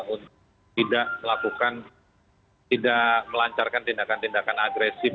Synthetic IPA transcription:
unt̪ | t̪idaʔməlakukan | t̪idaʔməlaɲt͡ʃarkant̪indakant̪indakanaɡɾesi

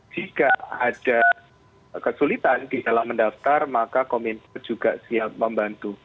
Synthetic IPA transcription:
d͡ʒ̥ikaad̥a | kəsulit̪andidalahməndaft̪armakakomɛnt̪ard͡ʒuɡaʔsiap̚məmbant̪u

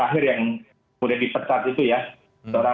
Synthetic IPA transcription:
aɦɪrjaŋ | mudahdipərkat̪it̪uja | səoɾa

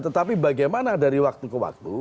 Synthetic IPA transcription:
t̪ət̪apibaɡajmanadaɾiwak̚t̪ukəwa̰k̚t̪u

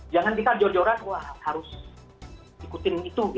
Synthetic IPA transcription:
d͡ʒaŋand̪it̪ad͡ʒɔd͡ʒɔɾat̪wahhaɾʊs | ikut̪ɪnit̪u

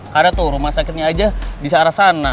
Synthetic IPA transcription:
kadat̪uɾumasakɪt̪ɲaːd͡ʒadisaɾasana

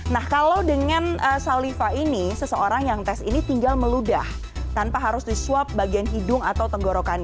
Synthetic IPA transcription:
nahkalawdəŋanəsalifaʔinisəsəoɾaŋjaŋt̪ɛsḭnit̪iŋɡalməluda̰h | t̪anpaɦaɾʊsdisuap̚baɡianɦidʊŋat̪awt̪əŋɡoɾokana

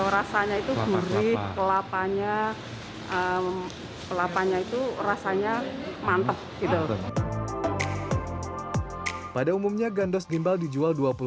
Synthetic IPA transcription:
ɾasaɲait̪uɡuɾɪkəlapaɲa | ə | kəlapaɲait̪urasaɲamant̪əp̚ɡ̥it̪u | padaumumɲaɡandɔsɡimbaldid͡ʒualduapul

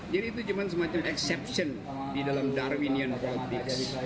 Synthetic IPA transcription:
d͡ʒadiːt̪̬ud͡ʒumans̬əmãt͡ʃamɛksɛp̚sən | didalamdarwiniənbɔlt̪iks

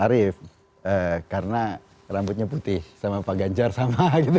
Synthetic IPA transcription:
aɾɪf | əkaɾəna | rambʊt̪̚ɲaput̪ɪhsamapaɡaɲd͡ʒarsamaɡit̪u

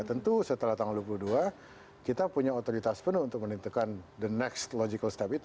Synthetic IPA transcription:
t̪ənt̪usət̪əlaht̪aŋulduap̬uluhdua | kit̪apuɲaot̪oɾit̪aspənuunt̪ʊk̚mənint̪ukandənɛkst̪lod͡ʒikəlst̪apit̪

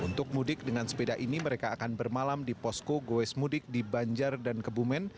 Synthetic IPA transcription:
unt̪ʊk̚mudɪk̚dəŋansə̥pedaʔiniməɾekaːkanbərmalamdipɔskoɡoɛsmudɪk̚dibaɲd͡ʒardankəbumɛn

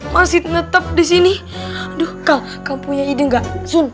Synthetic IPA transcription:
masit̪nət̪əp̚dis̬ini | dʊhkaŋ | kaŋpuɲaidəŋɡaʔsun

